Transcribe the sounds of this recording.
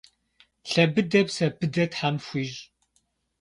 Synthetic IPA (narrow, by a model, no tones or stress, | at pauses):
ɬɐbɨdɐbsɐbɨdɐtħamfʷiːʒ